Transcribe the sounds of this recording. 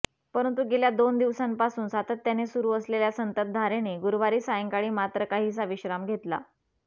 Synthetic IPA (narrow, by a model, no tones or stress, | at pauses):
pəɾənt̪uɡeljad̪ond̪iʋsampasuːnsat̪ʰət̪ːjanesuɾuːəsleljasənt̪ət̪̚d̪ʱaɾeneɡuɾʋaɾiːsajəŋkaɭiːmat̪ɾəkaɦiːsaʋiɕɾamɡʱet̪la̰